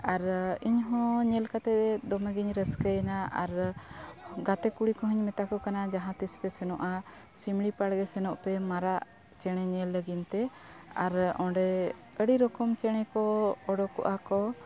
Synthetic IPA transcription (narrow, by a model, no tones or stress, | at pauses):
aɾiɲɦɔ̃ɲɛlkat̪ɛɛd̪ɔmɛɡiɲɾəskəjnaaɾ | ɡat̪ɛkuɽikɔɦəɲmɛt̪akɔkanad͡ʒaɦãt̪ispɛsɛnɔʔa | simɽipaɽɡɛsɛnɔʔpɛmaɾaʔ | t͡ʃɛɽ̃ɛɲɛlːəɡint̪ɛ | aɾɔ̃ɖɛ | əɽiɾɔkɔmt͡ʃɛɽ̃ɛkɔːɖɔkɔ̰ʔakɔ